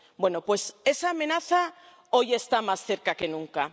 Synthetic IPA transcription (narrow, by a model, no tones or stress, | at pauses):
bwe̞nopwe̞se̞saːmẽ̞naθa | o̞je̞st̪amasθe̞ɾkake̞nũŋka